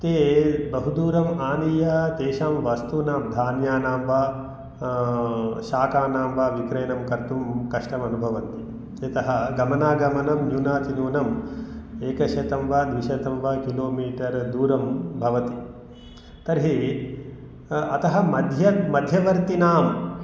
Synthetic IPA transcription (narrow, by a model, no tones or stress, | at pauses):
t̪eːbɐɦud̪uːɾɐmaːnijɐt̪eːʃaːmʋɐst̪uːnaːmd̪ʱaːnjaːnaːmʋɐ | ʃaːkaːnaːmʋaːʋikɾɐjɐnɐmkɐɾt̪umkɐʂʈɐmɐnubʱɐʋɐnt̪i | ɐt̪ɐɦɐɡɐmɐnaːɡɐmɐnɐmnjunaːt̪inuːnɐm | eːkɐʃɐt̪ɐmʋɐːd̪ʋiʃɐt̪ɐmʋɐkiloːmiːʈɐɾd̪uːɾɐmbʱɐʋɐt̪i | t̪ɐɾɦe | ɐt̪ɐɦɐmɐd̪ʱjɐmɐd̪ʱjɐʋɐɾt̪inaːm